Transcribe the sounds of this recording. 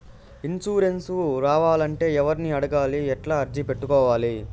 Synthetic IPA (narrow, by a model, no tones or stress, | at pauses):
int͡ʃuːɾe̞nsuɾaːʋaːlɐɳʈe̞ːɛʋɐɾiniɐɽɐɡaːliɛʈlaːɐɾd͡ʒipe̞ʈːukɔːʋaːli